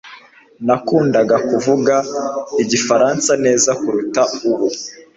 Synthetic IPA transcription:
nakuːndaɡakuvuɡaiɟifaɾansane̞ːzakuɾutauβu

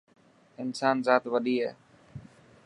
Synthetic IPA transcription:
ɪnsaːnzaːt̪ʋəɗiːɦɛː

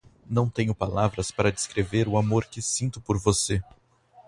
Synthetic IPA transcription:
nɐ̃w̃t̪ẽɲʊpalavɾɐspaɾɐd̪eskɾeveɾʊamoɾkɪsĩnt̪ʊpoɾvose

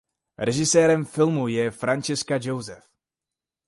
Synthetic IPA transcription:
ɾɛʒɪsɛːɾɛmfɪlmujɛfɾant͡ʃɪskad͡ʒowzɛf

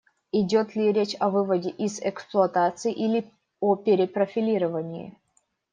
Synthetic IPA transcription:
ɪdʲot̪lʲɪɾʲet͡ɕɐvɨvədʲɪʔizɛksplˠʊɐt̪at̪sɨjʔilʲɪ | opʲɪɾʲɪpɾəfʲɪlʲiɾəvənʲɪɪ̰

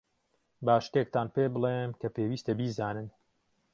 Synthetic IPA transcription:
baːʃt̪ek̚t̪aːnpeːbɨlˠemkɐpeːwiːst̪ɐbiːzaːnɨn

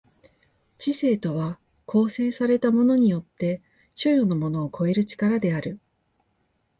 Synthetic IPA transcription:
t͡ɕise̞ːt̪o̞βa | kʰo̞ːse̞ːsaɾe̞t̪amo̞no̞ɲ̟ijo̞t̪ːe̞ | ɕojo̞no̞mo̞no̞ːkʰo̞e̞ɾɯ̟t͡ɕi̥kaɾad̪e̞aɾɯ̟

